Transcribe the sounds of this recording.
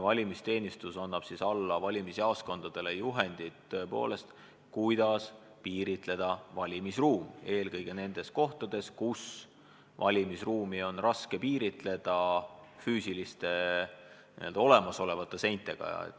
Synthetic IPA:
vɑlʲimist̪e̞ːnist̪usɑnːɑb̥sisɑlːɑvɑlʲimisiɑːsko̞nd̪̥ɑd̪̥e̞le̞juɦe̞nd̪̥it̪t̪ːøe̞po̞̰ːle̞st̪ | kujd̪̥ɑs | piːɾit̪ˑle̞d̪̥ɑvɑlʲimisruːme̞ːlkɤjɡ̥e̞ne̞nd̪̥e̞sko̞ht̪ɑd̪̥e̞skus | vɑ̰lʲimisruːmio̞nrɑske̞piːɾit̪ˑle̞d̪̥ɑfyːsilist̪e̞ | nḭe̞ld̪ɑo̞le̞mɑso̞le̞vɑt̪ˑːe̞se̞jnt̪ːˑe̞ɡ̥ɑ̰ḛt̪ː

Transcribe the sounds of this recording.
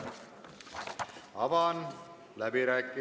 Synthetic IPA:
ɐʋaːn | lɐbeɾakː

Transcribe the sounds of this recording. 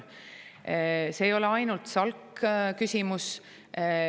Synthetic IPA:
se̞ːjo̞leɑjnult̪sɑlkːkysʲimus

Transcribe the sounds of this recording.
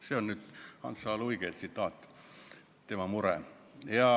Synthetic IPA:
seonnyt̪hɑ̰nsɑːluikelt̪sit̪ːɑːt̪ː | t̪emæmurḛˑm | jɑ

